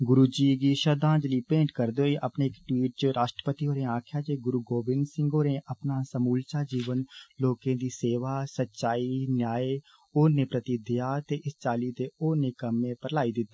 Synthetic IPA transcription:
ɡʊɾuːd͡ʒiːɡiʃəd̪ãːd͡ʒliːpẽːɳʈkəɾd̪eoiʔɐpneɪkʈwiːʈ̚t͡ʃəɾaːʃʈɾə̥pət̪iɦoːɾẽaːkʰjaːt͡ʃeɡʊɾuːɡoːbɪnɖsɪ̃ŋɡoːneʔɐpnaːsəmuːlt͡ʃaːd͡ʒiːʋənloːkẽːd̪iːseːʋasətːʃaːinjaːe | oːnepɾət̪id̪ijat̪eʔɪst͡ʃaːlit̪eoːnekəmːẽpəɾlaːid̪ɪt̪ː

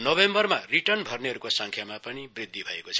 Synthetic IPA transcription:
nʌbembʌrmariʈʌrnbʱʌrneɦʌɾukosʌŋkʰjamapʌnibrid̪ʱːibʱʌekot͡sʰʌ

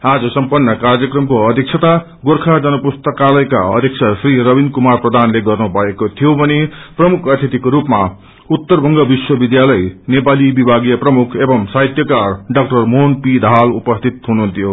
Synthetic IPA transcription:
ad͡zʌsʌmpʌnːʌkarjʌkrʌmkoʌd̪ʱik̚t͡ʃʰʌt̪a | ɡorkʰad͡zʌnʌpust̪ʌkalʌjka̰ʌ̰d̪ʱjekt͡sʰasriɾʌbinkumarprʌd̪ʱanleɡʌrnubʱʌekot̪ʰijobʱʌneprʌmukʰʌt̪ʰit̪ikoɾupma | ut̪ːʌrbʱʌŋɡʌbiswʌbid̪jalʌjnepalibibʱaɡijʌprʌmukʰebʌmsaɦit̪jʌkarɖʌk̚ʈʌrmonpid̪ʱalupʌst̪ʰit̪ɦunuɦunt̪ʰijo

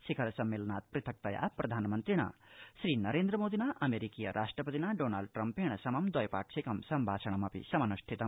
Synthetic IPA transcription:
sikʰɐɾsɐmːelɐnat̪̚pɾit̪ʰɐk̚t̪ɐja̰prɐd̪ʱaːnmɐnt̪ɾiɽ̃a̰sɾinɐɾend̪ɾɐmod̪inaʔɐmeɾikijɐ̰ɾʔasʈrɐpɐt̪inaɖonalɖ̚ʈrɐmpeɽ̃ɐsɐmɐmd̪ɐjpa̰k̚sʰikɐmsɐmbʱaːt͡sʰɐɽ̃ɐmɐpḭsɐmɐnusʈʰit̪ɐm

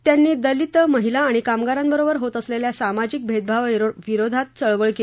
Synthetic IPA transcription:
t̪janːiːd̪əlit̪məɦilaːɽ̃ikamɡaɾambəɾobəɾɦot̪əsleljasamad͡ʑik̚bʱed̪̚bʱaʋʋiɾod̪ʱat̪̚t͡səɭʋəɭke

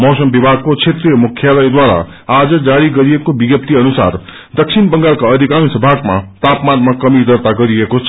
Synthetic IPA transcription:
mʌwsʌmbibʱaɡ̚kot͡sʰet̪rijʌmukʰːjalʌjd̪waɾa̰ | ad͡zʌd͡zaɾiɡʌɾijekobiɡjʌp̚t̪iʌnusa̰ɾ | d̪ʌksʰinbʌŋɡaɾkaʌd̪ʱikaŋsʌbʱaɡmat̪apmanmakʌmid̪ʌɾt̪aɡʌɾiekot͡sʰ

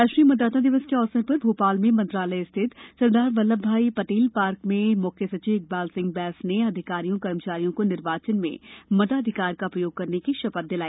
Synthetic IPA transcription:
aːʃɾiːmɐd̪ːaːt̪ãd̪ɪʋəskeɔːsəɾpɐɾbʱuːpaːlmẽmɐ̃nt̪ɾaːləjɪst̪ʰɪt̪sɐɾd̪aːɾʋɐlːəbʱːaːipɐʈiːlpaːɾkmẽmʊkʰesɐt͡ʃiːʋɪk̚baːlsɪ̃ŋɡ̚bɛːsneɐd̪ʱɪkaːɾijõkɐɾmət͡ʃaːɾijõkonɪɾʋaːt͡ʃənmḛ̃mɐd̪aːd̪ʱɪkaːɾkaʊpɾəjoːɡ̚kɐɾnekiʃɐpət̪̚d̪ɪlaːiː

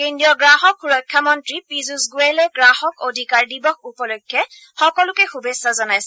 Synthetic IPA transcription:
kendiɔɡɹaɦɔkxuɹɔjkʰːamɔntɹipizusɡuelɛɡɹahɔkodʱikaɹdibɔxupɔlɔkʰːɛ | xɔkɔlʊkɛxubesːazɔnajsɛ

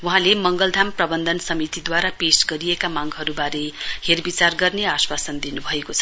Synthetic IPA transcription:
wuɦãlemʌŋɡʌld̪ʱamprʌbʌnd̪ʱʌnsʌmit̪id̪waɾapesɡʌɾijekamaŋɡɦʌɾubaɾeherbit͡sarɡʌrneaswasʌnd̪inubʱʌekot͡sʰʌ̥

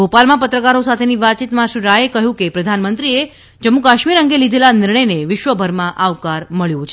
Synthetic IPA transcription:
ɡopalmãpət̪ɾəkaɾosat̪ʰeniʋat͡ʃit̪mãʃiɾaekəɦjũkepɾəd̪ʱanmənt̪ɾie | d͡ʒəmːukaʃmiɾəŋɡelid̪ʱelanɪɾɳəjneʋɪʃʋəbʱəɾmãʔaʋkaɾməɭjũt͡ʃʰe

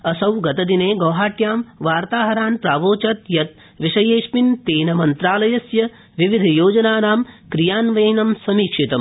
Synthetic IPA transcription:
ɐsɐwɡɐt̪ɐd̪ineːɡɐːɦaːʈjaːmʋaːɾt̪aːɦɐɾaːnpɾaːʋoːt͡ʃɐt̪jɐt̪̚ | ʋiʂɐjeːʂpint̪eːnɐmɐnt̪ɾaːlɐjɐsjɐ | ʋiʋid̪ʱɐjoːd͡ʒɐnaːnaːmkɾijaːnʋɐjnɐmsɐmiːkʂit̪ɐm

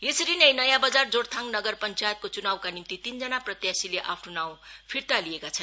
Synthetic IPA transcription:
esʌɾinʌjnʌjãbʌd͡zard͡zoɽt̪ʰaŋnʌɡʌrpʌnt͡sajet̪̚kot͡sunawkanimt̪it̪ind͡zʌnaprʌt̪jasileʔapʰnonawpʰirt̪alijekat͡sʰʌn

